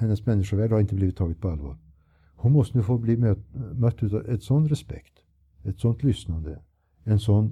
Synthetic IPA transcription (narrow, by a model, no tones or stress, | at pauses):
hɛnːəsmɛnːɪʂəʋæːɖ̪hɑɾɪnt̪əbliːʋət̪ʰːɑːɡət̪̚pʰɔɑlʋɑ̰ːɾ | hʊnmɔst̪ənuːfoːbliːmemœt̪ːʉːt̪ɛt̪sɔnt̪ɾɛspɛ̰kt̪ | ɛt̪sɔnt̪lʏsnɑnd̪ə | ɛnsɔnː